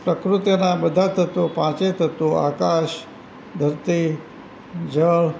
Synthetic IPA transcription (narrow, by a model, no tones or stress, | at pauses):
pɾəkɾut̪jənabəd̪ʱat̪ʰət̪upãt͡ʃet̪ʰət̪oakaʃ | d̪ʱəɾt̪i | d͡ʒəɭ